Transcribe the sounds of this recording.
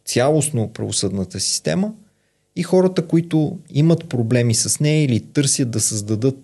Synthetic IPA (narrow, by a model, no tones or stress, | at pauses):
t̪sʲjalˠosnopɾɐ̰vosɤd̪nət̪əsi̥st̪ɛ̰mə | ixɔɾət̪əkoit̪ʊimət̪pɾoblɛmisɐsnɛjəilit̪ɤɾsjət̪̚d̪ɐsəzd̪ɐd̪ɤt̪̚